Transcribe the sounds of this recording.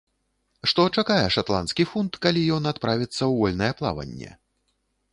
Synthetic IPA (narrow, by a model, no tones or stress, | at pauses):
ʂt̪ɔt͡ʂakajɛʂat̪lˠanskʲifunt̪kalʲijɔnat̪pɾavʲit̪sːɐwvɔlʲnɐjɛplˠa̰vɐ̰nʲːɛ̰